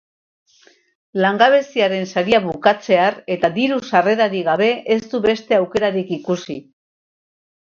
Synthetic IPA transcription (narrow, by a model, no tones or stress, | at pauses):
laŋɡaβ̞e̞siaɾe̞nsaɾiaβukat͡se̞aɾe̞t̪ad̪iɾusare̞ðaɾiɣaβ̞e̞ʔest̪uβe̞st̪e̞awke̞ɾaɾikikusi